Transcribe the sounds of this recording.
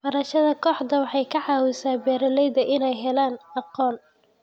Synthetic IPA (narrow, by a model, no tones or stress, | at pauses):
bɐɾɐʃɐðɐkʰɔːħd̪ɐwɑħɑjkʰɐʕɑːwɪsaːbɛːɾɐlɛjd̪ɐʔɪnɛjɦɛlaːnɑqɔːn